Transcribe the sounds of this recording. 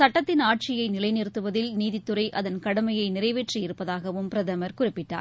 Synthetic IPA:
sɐʈːɐt̪ːɪnaːʈ̚t͡ʃɪjɐɪnɪlɐɪnɪɾɯt̪ːɯʋɐðɪlniːðɪt̪ːɯrɐɪʔɐðɐnkɐɽɐmɐjɐɪnɪrɐɪʋeːʈriɪɾɯpːɐðaːɣɐʋɯmpɪɾɐðɐmɐɾkʊrɪpːɪʈːa̰ːɾ

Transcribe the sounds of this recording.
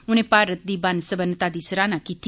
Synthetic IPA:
unẽpaːɾət̪̚d̪ibansəbənːət̪aːd̪isɾaːnakit̪ʰː

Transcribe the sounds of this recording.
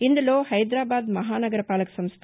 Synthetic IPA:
ind̪ɐloːhɐjd̪ɾaːbaːd̪mɐɦaːnɐɡɐɾɐpaːlɐkːɐ̥sɐmst̪ʰ

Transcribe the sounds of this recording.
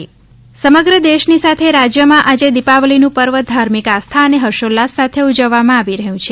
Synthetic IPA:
səməɡɾəd̪eʃnisat̪ʰeɾad͡ʒjəmãʔad͡ʒed̪ipaʋlinũpəɾʋəd̪ʱaɾmikast̪ʰaəneɦəɾʃolːasːat̪ʰeud͡ʒəʋːamãaʋiɾəɦjũt͡ʃʰe

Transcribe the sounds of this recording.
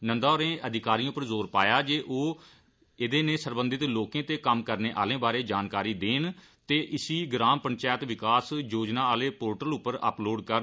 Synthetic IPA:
nənd̪aːɾẽːʔəd̪ɪkaːɾĩːpəɾzoːɾpaːjaːd͡ʒeːʔoː | ɪd̪eːneːsəɾbə̃nd̪ɪt̪loːkẽːt̪eːkəmkəɾneːʔa̰ːlẽːbaːɾeːd͡ʒaːnkaːɾiːd̪eːn | t̪eːʔɪsiːɡɾaːmpənt͡ʃaːət̪ʋɪkaːsjoːd͡ʒnãːaːleːpoːɾʈəlʊpːəɾə̰ploːɖkə

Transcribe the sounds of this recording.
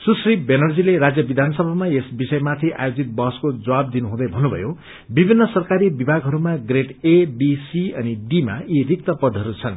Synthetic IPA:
susribenʌrd͡zileɾad͡zjʌbid̪ʱanʌsʌbʱamaesbisʌjmat̪ʰiʔa̰jod͡zit̪̚bʌɦʌskod͡zʌwab̚d̪inuɦũd̪ʌjbʱʌnːubʱʌ̰jo | bibʱinːʌsʌrkaɾibibʱaɡɦʌɾumaɡreʈebisiʌniɖima̰irik̚t̪ʌpʌd̪ʱʌɾut͡sʰʌn

